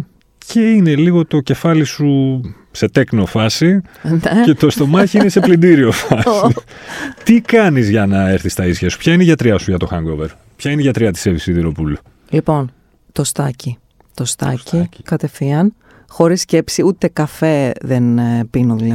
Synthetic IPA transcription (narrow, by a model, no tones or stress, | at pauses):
ce̞ine̞liɣo̞t̪o̞ce̞fɐlisu | se̞t̪e̞kno̞fɐsi | ce̞t̪o̞st̪o̞mɐçiinese̞plind̪iɾio̞fɐsit̪ikɐnizʝɐnɐe̞ɾθist̪ɐisçɐsu̥pçɐineiʝɐt̪ɾiɐsuʝɐt̪o̞xɐŋɡoveɾ | pçɐineʝɐt̪ɾiɐt̪i̥sevisiðiɾo̞pulu | lipo̞n | t̪o̞st̪ɐci | t̪ost̪ɐ̰cikɐt̪e̞fiɐn | xo̞ɾisce̞psiut̪e̞kɐfe̞ðenpinoðilɐ